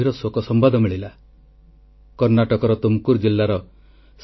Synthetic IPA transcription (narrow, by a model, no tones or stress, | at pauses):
iɾɔsokɔsɔmbad̪ʱɔmiɭila | kɔɾnaʈɔkɔɾɔt̪umkuɾd͡ʒilːaɾɔ | s